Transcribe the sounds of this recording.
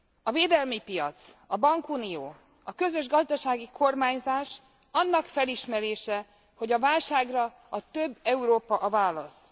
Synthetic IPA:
ɒveːd̪ɛlmipijɒ̰t̪sɒbɒŋkunijoː | ɒkø̞zøʒɡɒzd̪ɒʃaːɡikʰo̞rmaːɲzaːʃ | ɒnːɒkfɛliʃmɛɾeːʃɛ | ho̞ɟɒvaːlʃaːɡrɒ | ɒt̪øbːɛuɾoːpɒʔvaːlːɒs

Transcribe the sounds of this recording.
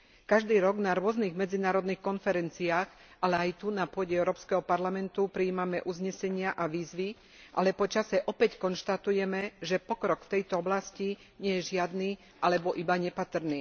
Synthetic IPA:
kaʒd̪iːɾɔɡnaɾʊɔzniːɣmɛd͡zinaːɾɔd̪niːxkɔnfɛɾɛnt͡siaːx | alɛajt̪unapʊɔɟɛɛʊɾɔːpskɛɦɔpaɾlamɛnt̪upɾiːmamɛʔuzɲɛsɛɲɪaʔaʋiːzʋi | ʔa̰lɛpɔt͡ʃasɛʔɔpɛckɔnʃt̪at̪ujɛmɛʒɛpɔkɾɔkft̪ɛjt̪ɔɔblasci | ɲɛjɛʒɪad̪niː | ʔalɛbɔʔibaɲɛpat̪r̩niː

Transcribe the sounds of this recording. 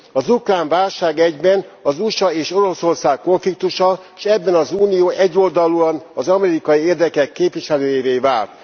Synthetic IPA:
ɒzukraːɱvaːlʃaːɡɛɟbɛnɒzuʃɒeːʃo̞ɾo̞so̞rsaːkːo̞ɱflikt̪uʃɒ | ʃɛbːɛnɒzuːnijoːʔɛɟːo̞ld̪ɒluɒnɒzɒmɛɾikɒjieːrd̪ɛkɛkːeːpʋiʃɛløːjiveːvaːlt̪

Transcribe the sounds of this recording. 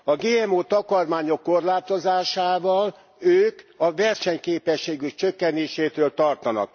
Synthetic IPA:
ɒɡeːɛmoːt̪ɒkɒrmaːɲo̞kːo̞rlaːt̪o̞zaːʃaːvɒl | øːkɒvɛrʃɛɲkeːpɛʃːeːɡykt͡ʃø̞kːɛneːʃeːt̪øːlt̪ɒrt̪ɒnɒ̰k̚

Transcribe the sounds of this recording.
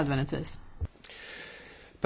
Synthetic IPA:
øːd̪vɛnd̪ɪt̪ʰvḭːs | pʰ

